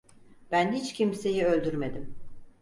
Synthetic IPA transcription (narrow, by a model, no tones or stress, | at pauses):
b̥ænɦit͡ʃcʰimse̞jiø̞lʲd̪yɾme̞d̪im